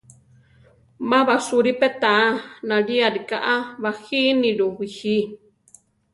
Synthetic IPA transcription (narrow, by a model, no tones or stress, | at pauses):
mãβasuɾipet̪aanãɾiaɾikaʔaβahinĩɺuhihi